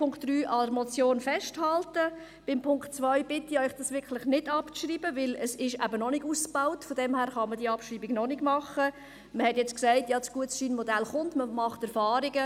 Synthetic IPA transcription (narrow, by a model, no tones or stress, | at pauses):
pʰʊŋkd̥ryːʔɑdəɾmɔt͡sjoːnfɛʃthɑltə | b̥ɪmpʰʊŋktt͡svœʏb̥ɪtɪœʏχd̥ɑsʋɪɾkʰlɪχnɪdɑpt͡sriːbəʋɪləsɪʃæbənɔnɪɡusb̥aʊtfɔdɛmhæːɾχɑmədiːɑpʃriːbiɡnɔnɪɡmɑχə | məhɛtjɛt͡sksæɪtjɑːt͡sɡ̥uətsiːnmɔdælχʊntməmɑχtɛɾfɑːɾiɡə